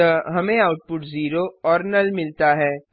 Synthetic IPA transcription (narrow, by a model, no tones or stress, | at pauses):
əɦɐmẽaːʊʈ̚pʊʈziːɾoɔːɾnɐlmɪlt̪aɦɛː